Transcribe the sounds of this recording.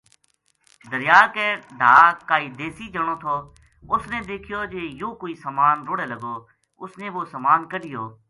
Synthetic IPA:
d̪əɾɪjaːkeːɖʱaːkaːiːd̪eːsiːd͡ʒəɳ̃oːt̪ʰoː | ʊsneːd̪eːkʰɪjoːd͡ʒeːjoːkoːiːsəmaːnɾoːɽeːləɡoː | ʊsnẽːʋoːsəmaːnkəɗɪjoː

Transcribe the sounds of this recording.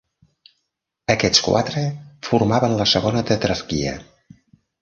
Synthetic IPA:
əkɛt͡skwa̰t̪ɾəfurmaβənləsəɣ̞onət̪ət̪ɾəskiə̰

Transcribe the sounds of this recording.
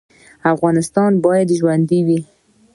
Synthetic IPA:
afɣɑnɪst̪ɑnbɑjad̪ʒwand̪iwi

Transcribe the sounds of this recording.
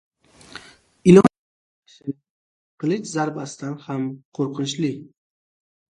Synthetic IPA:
ɪlɒ | sɪɪ | qʰɨlˠɪʃzaɾbasɪ̥d̪anhamqʰoɾqʰɨnt͡ʃlɪ

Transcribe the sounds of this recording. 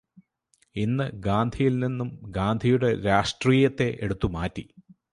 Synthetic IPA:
inːɨɡaːnd̪ʱijilninːumɡaːnd̪ʱijuɽe̞ɾaːʂʈriːjɐt̪ːe̞ʔeɽut̪ːumaːtːi

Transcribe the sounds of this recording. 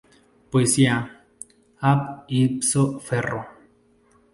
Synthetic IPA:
poesia | apipsofero

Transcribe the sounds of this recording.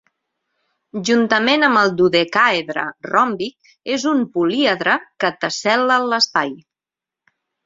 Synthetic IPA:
ʒunt̪əmenəməlˠd̪uðekaeðɾə̰rɔmbik̚ | ezumpuliəðɾəkət̪əsɛlələspaj

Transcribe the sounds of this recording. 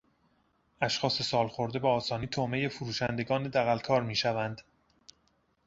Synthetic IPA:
æʃxɒːse̞sɒːlxo̞ɾd̪e̞beɒːsɒːniːt̪ʰome̞jefuɾuːʃænd̪e̞ɡɒːned̪æɣælkʰɒːɾmiːʃævænd̪

